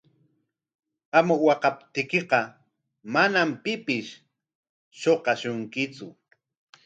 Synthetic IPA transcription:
amʊwɑqɑp̚t̪ɪkeqɑ | manampɪpɪʃ | ʃoqɑʃʊŋkɪt͡sʊ

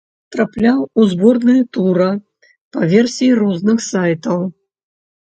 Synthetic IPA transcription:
t̪ɾaplʲawuzbɔrnɨjt̪uɾɐ | pɐvʲɛrsʲijirɔznɨxsajt̪ɐw

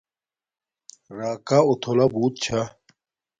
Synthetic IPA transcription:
ɾaːkaot̪ʰolabuːt̪̚t͡ɕʰa

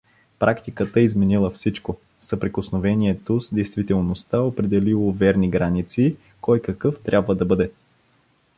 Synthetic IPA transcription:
pɾʔakt̪ikət̪əizmɛnilˠəfsit͡ʃko | səpɾɛkosnovɛniɛt̪ozd̪ɛjst̪vit̪ɛlˠnost̪aopɾɛd̪ɛlilˠovɛɾniɡɾanit̪si | kɔjkɐkɤft̪ɾʲʔabvəd̪ɐbɤd̪ɛ

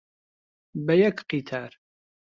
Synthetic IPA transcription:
bɐjɐkqit̪ʰaːɾ

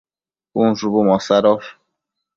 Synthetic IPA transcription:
un̩zubumɔsaɾɔf

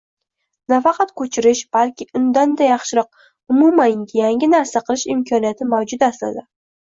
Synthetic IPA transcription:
nafɑqʰɑt̪kʰɵt͡ʃʰɪɾɪʃb̥alkʲɪʔʊnd̪and̪ajɑχʃɪɾɒq̚ | ʊmumanʲjaŋʲɪnaɾsaqʰɨlˠɪʃɪmkʲʰɒnijat̪ʰɪmawd͡ʒʊd̪asla̰d̪ɪ

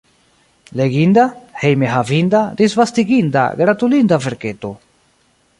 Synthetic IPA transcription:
leɡind̪ahejmeɦavind̪ad̪izvast̪iɡind̪a̰ɡɾat̪ulind̪ave̞ɾke̞t̪o̞

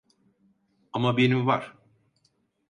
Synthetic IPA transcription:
amabenimvaɾ̥

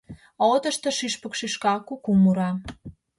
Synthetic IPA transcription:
ot̪ə̆ʃt̪ə̆ʃiʃpə̆kʃiʃkɑkukumuɾɑ

